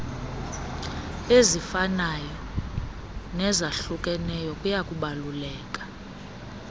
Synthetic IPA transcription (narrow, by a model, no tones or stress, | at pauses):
ezifanajɔ | nɛzaɬukʼɛnɛjɔkʼujakʼuɓalulɛːkʼḁ